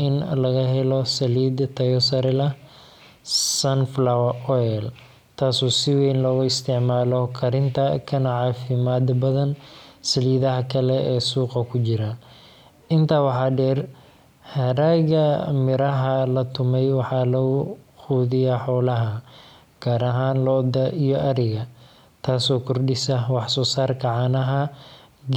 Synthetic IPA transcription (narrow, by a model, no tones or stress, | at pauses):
ʔɪnlɐɣɐɦɛlɔsɐliːd̪t̪ʰɐjɔsɐɾɪlɐ | sɐnflawɐʔɔɛl | t̪ʰaːsɔːsɪwɛːnlɔːɣʊɪst̪ʰɪʕmaːlɔkʰɐɾɪnt̪ʰɐkʰɐnɐʕɑːfɪmaːd̪bɐðɐnsɐliːðɐɦɐkʰɐlɛɛːsuːqɐkʰʊt͡ʃɪɾɐ | ɪnt̪ʰaːwɑħɑːɖɛːr | hɐɾaːɣɐmɪɾɐɦɐlɐt̪ʰʊmɛjwɑħɑːlɐɣʊ | xuːðɪjɐħɔːlɐɦɐ | ɡ̥aːɾɐɦaːnlɔd̪ɐʔijɔʔɐɾɪɣɐ | t̪ʰaːsɔːkʰʊrɖɪsɐwɑħsɔːsaːrkʰɐʕɑnɐɦɐ